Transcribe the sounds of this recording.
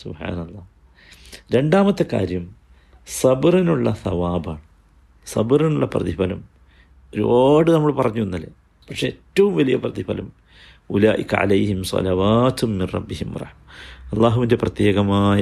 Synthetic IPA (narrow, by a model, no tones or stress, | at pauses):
subħa̰ːnɐlˠˤːɑː | ɾe̞ɳɖaːmɐt̪ːekːa̰ːɾjɐm | sɐbrinuɭːɐθɐʋaːbaːɳɨ | sɐ̰brinuɭːɐprɐ̰ðibɐlɐm | oɾuoːɽɨnɐmːɐɭpɐrɐɲːuenːɐlːḛ | pɐkʂeːtːɐʋumʋɐlijɐprɐðibɐ̰lɐm | ulaːʔikːɐ̰ʕa̰lɐjhimsɑ̰lɐʋaːt̪umːinrɐ̰bːihimrˤɑ̰ħmɐɐlˠˤːaːɦuʋinde̞prɐt̪je̞ːɣɐmaːjɐ